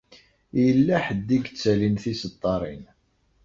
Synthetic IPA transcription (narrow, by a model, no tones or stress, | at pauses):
jəlːæħəd̪ːiɡt͡sːælinθisət̪ˤːɑɾˤin